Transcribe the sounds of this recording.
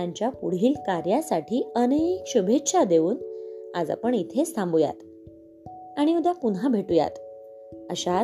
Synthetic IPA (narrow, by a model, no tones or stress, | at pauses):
aɲt͡ɕjapuɽ̤iːlkaɾjasaʈʰiːənekɕubʱet̪ɕad̪euːnad͡za̰pəɳit̪ʰest̪ʰãmbuja̰t̪ | aɽ̃iud̪japunɦabʱeʈuja̰t̪ | əɕa